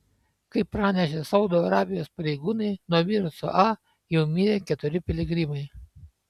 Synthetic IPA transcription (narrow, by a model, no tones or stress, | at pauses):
kɐɪpɾɑːnʲɛʃ̬ʲesɐʊd̪oːɐɾɑːbʲɪjoːspɐɾʲɛɪɡuːnɐɪnuɔmʲiːɾʊsʊ̰ʔɑ | jɛʊmʲiːɾʲekʲɛt̪ʊɾʲɪpʲɪlʲɪɡɾʲiːmɐɪ